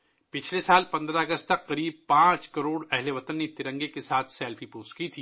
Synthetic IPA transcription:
pɪt͡ʃʰlesaːlpɐ̃nd̪ɾaɐɡəst̪t̪ɐkqɐɾiːb̚pãːt͡ʃkɐɾoːɽɛɦleʋɐt̪ənːet̪ɪɾə̃ŋɡekesaːt̪ʰsɛːlfʰipoːskit̪ʰiː

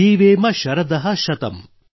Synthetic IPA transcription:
iːʋeːmɐʃɐɾɐd̪ɐɦɐ̆ʃɐt̪ɐ̰m

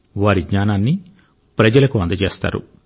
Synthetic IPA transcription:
ʋaːɾiɡɲaːnaːnːi | pɾɐd͡ʒɐlɐkuɐnd̪ɐt͡ʃeːst̪a̰ːɾṵ

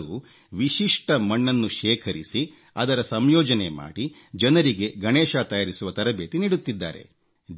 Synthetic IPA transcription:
uː | ʋiʃiʂʈɐmɐɳːɐnːuʃɛːkʰɐɾisi | ɐd̪ɐɾɐsɐmjɔːd͡ʒɐnema̰ːɽi | d͡ʒɐnɐɾiɡe̞ɡɐɳeːʃaːt̪ɐjaːɾisuʋɐt̪ɐɾɐbeːt̪iniːɽut̪ːid̪ːaːɾe̞̰

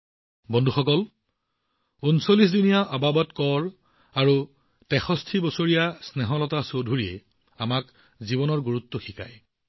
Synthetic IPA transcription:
bɔndʱuxɔkɔl | unsolis̬zunijaʔababɔtkɔɹ | aɹu | tɛxɔstʰibɔsoɹijasnɛɦɔlɔtasodʱuɹiɛ | amak | zibɔnɔɹɡuɹutːɔxika̰j

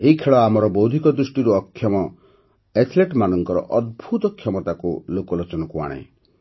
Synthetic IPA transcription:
eɦikʰeɭɔamɔɾɔbɔwd̪ʱikɔd̪ɾusʈiɾuɔkʰːjɔmɔ | et̪ʰleʈmanɔŋkɔɾɔ̰ʔɔd̪̚bʱut̪ɔkʰːjɔmɔt̪akulokɔlot͡ʃɔnɔkua̰ɽ̃ḛ

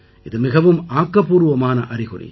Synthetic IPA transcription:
ʔɪðɯmɪɣɐʋɯmaːkːɐpuːɾɯʋɐmaːnɐʔɐɾɪɣʊ̰ɾḭ

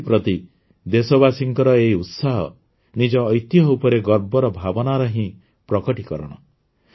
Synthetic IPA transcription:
pɾɔt̪i | d̪esɔbasiŋkɔɾɔejut̪saɦɔ̰ | nid͡ʒɔːjt̪jɔupɔɾeɡɔɾbɔɾɔbʱabɔnaɾɔɦĩ | pɾɔkɔʈikɔɾɔɽ̃ɔ

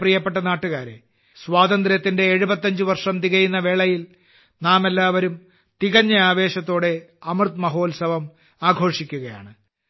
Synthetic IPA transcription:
prijɐpːeʈ̬ːɐnaːʈːuɣaːɾḛ | swaːd̪ɐnd̪ɾɐt̪ːinde̞ːɻubɐt̪ːɐɲd͡ʑɨʋɐrʂɐmt̪iɣɐjunːɐʋe̞ːɭɐjil | naːme̞lːaːʋɐɾum | t̪iɣɐɲːɐaːʋe̞ːɕɐt̪ːo̞ːɽe̞ɐmɨrt̪mɐɦo̞ːlsɐʋɐm | aːɡʱo̞ːʂikʲːuɣɐja̰ːɳɨ

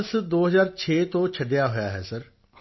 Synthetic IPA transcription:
sd̪oːɦəzaːɾt͡ʃʰeːt̪õːt͡ʃʰəɖɪjaːɦojaːɦɛːsəɾ

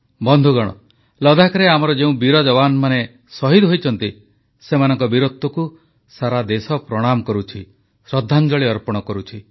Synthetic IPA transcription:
bɔnd̪ʱuɡɔɽ̃ɔ̰ | lɔd̪ʱakɔɾeamɔɾɔd͡ʒeũbiɾɔd͡ʒɔβanɔmane | sɔɦid̪ɦojt͡ʃʰɔnt̪i | semanɔŋkɔbiɾot̪ːɔku | saɾad̪esɔpɾɔɽ̃amɔkɔɾut͡ʃʰi | sɾɔd̪ʱːand͡ʒɔɭiɔɾpɔɽ̃ɔkɔɾut͡ʃʰi

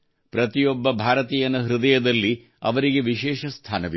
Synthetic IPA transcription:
pɾɐt̪ijɔbːɐbʱaːɾɐt̪iːjɐnɐɦɾid̪ɐjɐd̪ɐlːi | ɐ̰ʋɐɾiɡe̞ʋiʃɛːʃɐst̪ʰaːnɐʋi

